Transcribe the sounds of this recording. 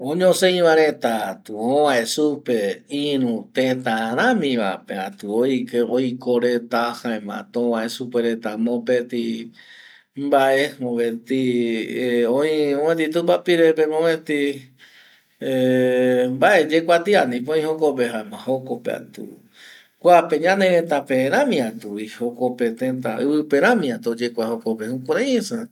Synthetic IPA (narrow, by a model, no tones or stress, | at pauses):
õɲõsẽĩβãɾet̪at̪uõʋãʔesupeiɾũt̪ẽt̪ãɾ̃ãmĩʋa̰peat̪uojkeojkoɾet̪ahãẽmã̰t̪õʋãesupeɾet̪amõpet̪i | mbaʔemõβẽt̪i | õĩõmẽt̪̬it̪umbapiɾepemõβet̪i | e | mbaʔed͡ʒekʷat̪ianĩpõĩhokopeɦãemãhokopea̰t̪ṵ | kʷapeɲãneɾet̪apeɾ̃ãmĩãt̪uihokopet̪ẽnt̪a̰ɨβɨpeɾãmĩãt̪od͡ʒekʷahokopehũkʷaɾaesa